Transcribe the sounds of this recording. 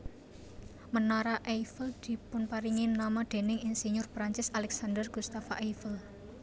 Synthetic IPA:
mənaɾaʔejfəld̪̥i̤pʊnpaɾiŋinamad̪̥e̤nɪŋinseɲʊrpɾaɲt͡ʃɪsalɛksand̪ərɡ̥ust̪afaʔejfəl

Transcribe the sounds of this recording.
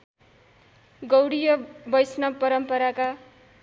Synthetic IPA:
ɡʌwɽijʌbʌjsnʌpʌɾʌmpʌɾaka

